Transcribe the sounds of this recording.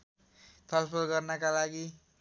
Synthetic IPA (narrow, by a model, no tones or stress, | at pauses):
t̪ʰʌlpʰʌlɡʌrnʌkalaɡi